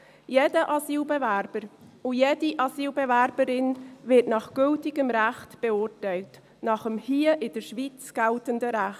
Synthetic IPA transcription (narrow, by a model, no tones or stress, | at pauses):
jeːdəʔɑsiːlbɛvæɾb̥əɾʊjeːdiʔɑsiːlbɛvæɾbəɾɪnvɪtnɑχɡ̥ʏltɪɡəmɾæχtb̥ɛʊɾtɛɪlt | nɑχəmhiəʔɪd̥əʃviːt͡sɡ̥æltəndəɾæχt